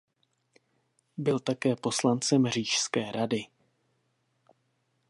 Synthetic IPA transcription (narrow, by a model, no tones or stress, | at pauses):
bɪlt̪akɛːpo̞slant͡sɛmr̝iːʃskɛːɾadɪ